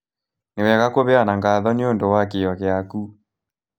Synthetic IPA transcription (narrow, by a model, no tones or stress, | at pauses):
newɛɣakoβeanaŋɡaðɔneondowakejɔɣeaku